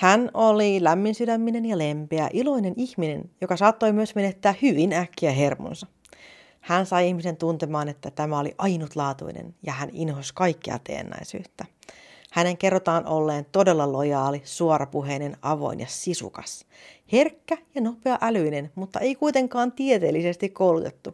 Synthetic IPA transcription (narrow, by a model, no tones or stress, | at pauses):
hænolilæmːinsydæmːine̞njɑlempeæʔilo̞jneniçmine̞̰njokɑsɑːt̪ːo̞jmyøsmenet̪ːæːhyʋinækːiæɦe̞rmo̰nsɑ | hænsɑjihmise̞nt̪unt̪emɑːnet̪ːæt̪æmæolḭʔɑjnut̪lɑːt̪ṵinḛnjɑhæninɦoskɑikːḛɑ̰t̪ḛːnːæ̰isy̰ːt̪ːæ | hæne̞ŋkerːot̪ɑːnʔolːeːnt̪ode̞lːɑlojɑːlisuoɾɑpuɦeinenɑʋo̞̰injɑsisṵkɑ̰s | herkːæjɑno̞peɑʔælyinenmut̪ːɑ̰ʔe̞ijkuit̪e̞ŋkɑːnt̪iet̪eːlːise̞st̪ikkowlut̪et̪ːu